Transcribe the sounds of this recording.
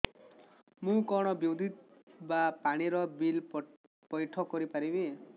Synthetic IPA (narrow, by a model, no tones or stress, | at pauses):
mũkɔɽ̃ɔbjowd̪ʱit̪bapaɽ̃iɾɔbil | pɔjʈʰɔkɔɾipaɾibi